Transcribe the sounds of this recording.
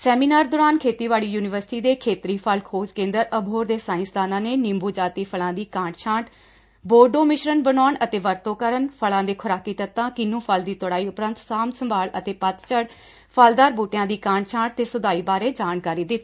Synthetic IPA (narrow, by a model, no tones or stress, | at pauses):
sɛːmiːnaːɾd̪oːɾaːnkʰeːt̪iːʋaːɭiːjuːnɪʋəɾsɪ̥ʈiːd̪eːkʰeːt̪ɾiːpʰəlkʰoːd͡ʒkẽːnd̪əɾəbʱɦoːɾd̪eːsãːɪ̃sd̪aːnãːneːnɪ̃mbuːd͡ʒaːt̪iːpʰəlãːd̪iːkãːɳʈt͡ʃʰãːɳʈ | boːɖoːmɪʃɾənbənɔːɳət̪eːʋəɾt̪õːkəɾənpʰəlãːd̪eːkʰʊɾaːkːiːt̪ət̪ːãːkɪnũːpʰəld̪iːt̪ʊɽaːiːʊpɾə̃nt̪saːmsəmbʱaːlət̪eːpət̪t͡ʃəɽ | pʰaːld̪aːɾbuːʈjãːd̪iːkãːɳʈt͡ʃʰãːɳʈ̚t̪eːsʊd̪aːiːbaːɾeːd͡ʒaːnkaːɾiːd̪ɪt̪ː